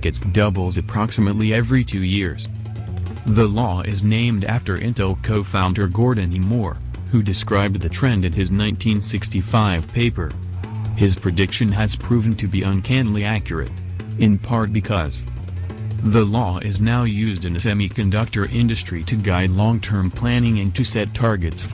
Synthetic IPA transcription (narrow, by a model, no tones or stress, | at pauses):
kɨtsd̥ʌbl̩ˠzɨpʰɹ̥ɑksɨmətˡliɛvɹitʰʉjɪɹz̥ | ðəlɔɪ̰znẽɪ̃mdæ̰ftə˞ʔɪ̰̃ntl̩ˠkʰoʊfãʊ̃ndə˞ɡɔɹdⁿn̩imɔɹ | hʉdɨskɹaɪb̪̚ðɨtʰɹ̥ɛ̃ndɨ̃nɨznãɪ̃ntʰĩnsɪkstifaɪv̥pʰeɪpə˞ | ɪz̥pʰɹ̥ɨdɪkʃɨ̃nɨz̥pʰɹ̥ʉṽn̩tʰɨbiʔə̃nkʰæ̃nliækjə˞ɨ̰ɾ | ɨ̃npʰɑɹt̚b̥ɨkʰʌz̥ | ðəlɔɪznaʊjʉzdɨ̃nɨsɛmikʰɨ̃ndʌk̚tə˞ʔɪ̃ndɨstɹ̥iɾɨɡaɪdˡlɔ̃ŋtʰɜ̃˞mpʰl̥ænɪ̃ŋɨ̃ntʰɨsɛtʰɑɹɡɨts